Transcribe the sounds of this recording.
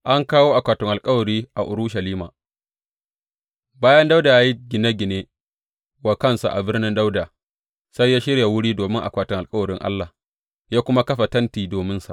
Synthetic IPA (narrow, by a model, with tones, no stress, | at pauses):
ʔa˦ŋkaː˦woː˦ʔa˨kʷaː˨tʊ˨ŋʔa˨lkʼɐ˦wɐ˨ɾiː˦ʔa˨ʔʊ˨ɾʊ˦ʃɐ˨liː˦ma̰ː˨ | baː˦jɐ˦nda˦wda˨jaː˦ji˦ɡʲɪ˨ne˦ɡʲɪ˨ne˦ | waː˨kɐ˦nsa̰˨ʔa˨bɪ˦rnɪ˦nda˦wdaː˨ | sa˦jːaː˦ʃɪ˦ɽja˨wʊ˦ɽiː˦doː˨mɪ˦ŋʔa˨kʷaː˨tʊ˨ŋʔa˨kʼɐ˦wɐ˨ɾɪ˦ŋʔa̰˦lːa˨h | jaː˦kʷʊ˦ma˦kɐ˦ɸa˨tɐ˦ntiː˨doː˨mɪ˦nsa̰˨ʔ